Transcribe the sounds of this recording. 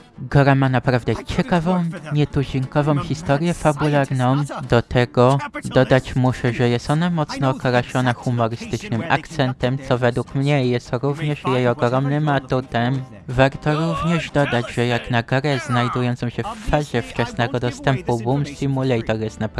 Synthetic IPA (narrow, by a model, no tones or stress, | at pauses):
ɡɔɾamanapɾavd̪ɛt͡ɕɛkavɔ̃w̃ɲɛt̪uʑiŋkɔvɔ̃w̃xʲist̪ɔɾjɛfabulaɾnɔ̃w̃d̪ɔt̪ʰɛɡɔd̪ɔd̪at͡ɕmuʂɛʐɛjɛst̪ɔnamɔt̪snɔːkaɾaʂɔnaxumɔɾɘst̪ɘt͡ʂnɘma̰kt̪sɛnt̪ɛmt̪sɔvɛd̪wukmɲɛjɛst̪ɾuvɲɛʂjejɔɡɾɔmnɘmat̪ut̪ɛm | vaɾt̪ɔɾuvɲɛʐd̪ɔd̪ad͡ʑʐɛjaknaɡaɾɛznajd̪ujɔnt̪sɔ̃w̃ɕɛfːaʑɛft͡ʂɛsnɛɡɔd̪ɔst̪ɛmpubumsimulɛjt̪ɔjɛst̪nap